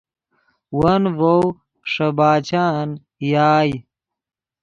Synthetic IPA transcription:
wɐnvow | ʂɐbaːt͡ɕaːn | jaːj

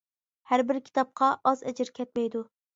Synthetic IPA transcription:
hæɾbɪɾkʲʰi̥t̪ʰɑp̚qʰɑʔːzɛ̰d͡ʒɪɾkʲʰɛt̪̚mɛjd̪ʊ

